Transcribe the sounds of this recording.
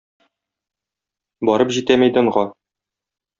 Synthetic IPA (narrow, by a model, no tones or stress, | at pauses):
bɒɾɤpʑit̪æmæjd̪ɤ̆ɴʁɑ